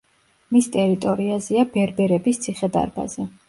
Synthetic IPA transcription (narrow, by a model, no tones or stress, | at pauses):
mist̪ʼɛɾit̪ʼɔɾiazɛabɛɾbɛɾɛbist̪sʰiχɛd̪a̰ɾba̰zɛ